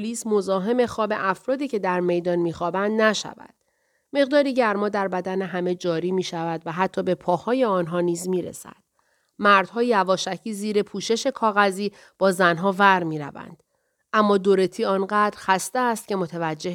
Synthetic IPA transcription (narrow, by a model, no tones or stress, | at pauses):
pʰoliːsmo̞zɒːɦe̞me̞xɒːbe̞ʔæfɾɒːd̪iːcʰe̞d̪æɾme̞jd̪ɒːnmiːxɒːbænd̪næʃæ̰væ̰d̪̥ | me̞ʁd̪ɒːɾiɟæɾmɒːd̪æɾbæd̪æneɦæme̞d͡ʒɒːɾiːmiːʃævæd̪væɦæt̪ʰːɒːbe̞pʰɒːhɒːje̞ɒːnɦɒːniːzmiːɾḛsæ̰d̪̥ | mæɾd̪̥hɒːjeævɒːʃæcʰiːziːɾe̞pʰuːʃe̞ʃe̞kʰɒːɣæziː | b̥ɒːzænɦɒːvæɾmiːɾæ̰væ̰nd̪̥ | ʔæmːɒːd̪oɾe̞t̪ʰiːɒːnɢæd̪ɾxæst̪eæst̪̚cʲʰe̞mo̞t̪ʰevæd͡ʒːe̞ɦ